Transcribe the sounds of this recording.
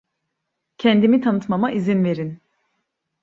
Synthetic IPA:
cʰɛnd̪imit̪ʰanɯt̪mamaʔizinve̞ɾin

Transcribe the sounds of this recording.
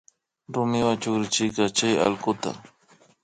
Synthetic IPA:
ɾʊmɪwat͡ʃʊkɾɪt͡ʃɪjkɑt͡ʃaja̰lkʊt̪a̰

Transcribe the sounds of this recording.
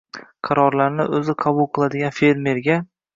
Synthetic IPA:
qʰɑɾɒɾlaɾnɪʔɵzɪqʰɑbʊlˠqʰɨlˠad̪ɪɡʲanfe̞ɾme̞ɾɡʲa

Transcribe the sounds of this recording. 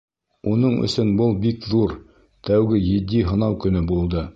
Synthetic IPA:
unɤɴɵ̰̆sɵnbɤlˠbikðuɾ | t̪æwɡɘjɘ̆d̪iɦɤ̆nɑwkɵ̆nɵbulˠd̪ɤ

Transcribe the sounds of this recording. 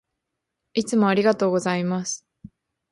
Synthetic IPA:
it͡sɨmo̞aɾʲiɡat̪o̞ːɡo̞zaimasɨ̥

